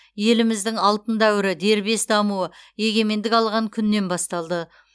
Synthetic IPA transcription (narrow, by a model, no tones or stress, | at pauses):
je̞lɪmɪzd̪ɪŋɑlˠt̪ənd̪æwɪɾɪd̪e̞ɾbe̞sd̪ɑmuwəje̞ɡʲe̞me̞nd̪ɪkɑlˠʁɑŋkʲʰʏnːe̞nbɑst̪ɑlˠd̪ə